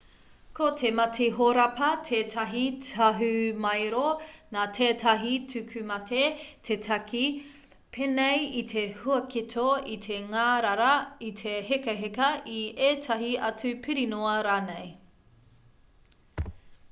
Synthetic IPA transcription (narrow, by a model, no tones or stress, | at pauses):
kʰotʰemɐtʰeɦoɾɐpɐtʰeːtʰɐɦitɐɦʉmɐjɾonaːtʰeːtʰɐɦitʰʉkʰʉmɐtʰetʰetʰɐkʰi | pʰenejitʰehuɐkitʰoitʰeŋaːɾɐɾɐitʰehekɐɦekɐieːtʰɐɦiʔɐt͡sʉpʰiɾinoɐɾaːnej